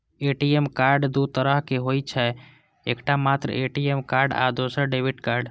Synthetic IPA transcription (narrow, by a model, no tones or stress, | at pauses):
eʈiemkaɾɖd̪ut̪əɾəɦkeɦojt͡ʃʰɛ | ekʈamat̪ɾə̰eʈiemkaɾɖa̰d̪osəɾɖebiʈkaɾɖ